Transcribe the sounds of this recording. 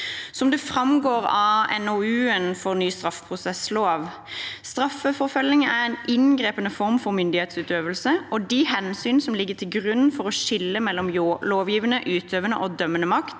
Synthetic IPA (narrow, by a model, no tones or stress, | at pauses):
sɔmd̪ɛfɾɑmɡoːɾɑɛ̰noʉːənfɔʁnyːst̪ɾɑfəpʰʁʊsɛsloːʋ | st̪ɾɑfːəfɔɾfœlːɪŋæɾɛnʔɪnɡɾeːpənəfɔɾmfɔɾmʏnd̪ɪheːt̪sʉːt̪øːʋəlsəʔɔd̪ɪhɛnsyːnsɔmlɪɡːət̪ʰɪlɡʁʉnn̩fɔɾɔʃɪlːəmɛlːɔmloːʋjiːʋənəʔʉːt̪ʰøːʋənə̰ʔɔd̪œmːənəmɑkt̪